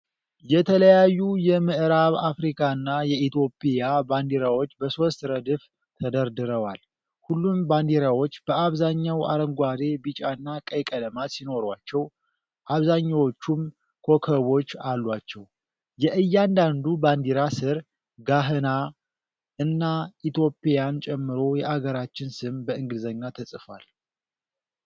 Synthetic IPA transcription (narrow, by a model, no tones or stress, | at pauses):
jɛt̪ʰələjajːujɛmɨʔɨɾaβafɾikʰaɨnːajɛʔit̪jo̞pʼijaband̪iɾawo̞t͡ʃːbəso̞st̪ɾəd̪ɨf | t̪ʰəd̪əɾd̪ɨɾəwal | hulːumband̪iɾawo̞t͡ʃːb̥əaβzaɲːawʔa̰ɾəŋɡʷaɾe̞bit͡ʃʼaɨnːakʼəjkʼələmat̪sino̞ɾwat͡ʃːɛw | ʔaβzaɲːawo̞t͡ʃːum | kʰo̞kʰəβo̞t͡ʃːalːwat͡ʃːɛw | jɛʔɨjːand̪and̪uband̪iɾasɨɾ | ɡaɦɨna | ɨnːait̪jo̞pʼejant͡ʃʼɛmːɨɾo̞jɛʔaɡəɾat͡ʃːɪnsɨmbəɨŋɡɨd̪zəɲːat̪ʰəsʼɨfwa̰l